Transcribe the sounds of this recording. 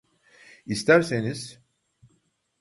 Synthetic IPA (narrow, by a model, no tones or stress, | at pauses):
ist̪ʰæɾse̞niz̥